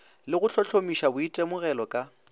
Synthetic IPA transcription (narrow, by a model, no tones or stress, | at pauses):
lɪɣʊt͡ɬʰɔɬʰomiʃabʊitʼemʊɣɛlɔkʼa